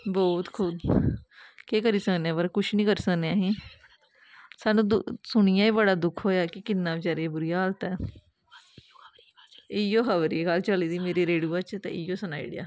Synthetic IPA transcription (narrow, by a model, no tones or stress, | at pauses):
bɔːt̪kʰʊd̪ | keːkəɾiːsəkneãːpəɾkʊʃnĩːkəɾiːsəkneaːɦĩː | saːnũːd̪ʊsʊɳ̃ijãːiːbəɽaːd̪ʊkʰɦoːjaːkɪkɪnːãːɪt͡ʃaːɾeːɛːbʊɾijaːəːlt̪ɛː | ɪjoːkʰəʋəɾiːekəlt͡ʃəliːd̪iːmeːɾiːɾeːɖjuːat͡ʃt̪ḛ̃joːsəna̰ːḭɽɪja̰ː